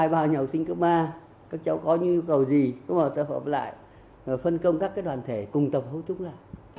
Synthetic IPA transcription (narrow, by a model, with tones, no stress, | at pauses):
aː˧˩jɓaː˨˩wɲə˨˩wsï˧ŋ̟kɨ˦˥k͡p̚mʔaː˧ | kaː˦˥k̚t͡ɕə˨˦wkɔ˨˦ɲɨ̰˧˥ŋɲu˧kə˨˩wzi˨˩kʊ̰˧˥ŋ͡mməː˨˩sə̰ː˧˨həː˨˩p̚la̰ː˧˨j | fə˧nkə˧wŋ͡mkaː˦˥kːaː˦˥j̚ɗwaː˨˩nt̪ʰe˧˩kʊ˨˩ŋ͡mt̪ə˨˩p̚hə˨˦t̪ʰʊ˨˦ŋ͡mlaː˧˨˩j